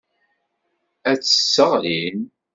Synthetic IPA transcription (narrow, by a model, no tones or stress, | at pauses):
æt͡sːə̥sːəʁlin